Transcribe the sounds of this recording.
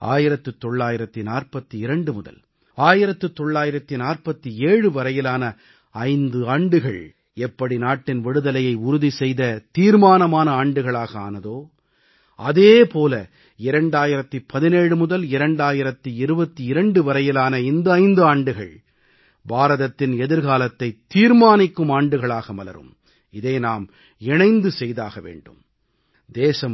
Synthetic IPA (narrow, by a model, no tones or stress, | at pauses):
ʔa̰ːjɪɾɐt̪ːɯt̪ːɔɭːaːjɪɾɐt̪ːinaːrpɐt̪ːiɪɾɐɳɖɯmʊðɐ̰l | aːjɪɾɐt̪ːɯt̪ːɔɭːaːjɪɾɐt̪ːinaːrpɐt̪ːieːɻɯʋɐɾɐjɪlaːnɐ | ɐɪnd̪ɯaːɳɖɯɣɐ̰ɭ | ɛpːɐɽinaːʈːɪnʋɪɽɯðɐlɐjɐɪʊɾʊðisɛjðɐt̪iːɾmaːnɐmaːnɐaːɳɖɯɣɐɭaːɣɐa̰ːnɐðoː | ɐðeːpoːlɐ̰ | ɪɾɐɳɖaːjɪɾɐt̪ːipɐðɪneːɻɯmʊðɐlɪɾɐɳɖaːjɪɾɐt̪ːiɪɾɯbɐt̪ːiɪɾɐɳɖɯʋɐɾɐjɪlaːnɐɪnd̪ɐɪnd̪ɯaːɳɖɯɣɐ̰ɭ | baːɾɐðɐt̪ːɪnɛðɪɾɣaːlɐt̪ːɐɪt̪ːiːɾmaːnɪkːɯmaːɳɖɯɣɐɭaːɣɐmɐlɐ̰ɾɯ̰m | ɪðeːnaːm | ɛɳɐɪnd̪ɯsɛjða̰ːɣɐʋḛːɳɖɯ̰m | d̪eːsɐm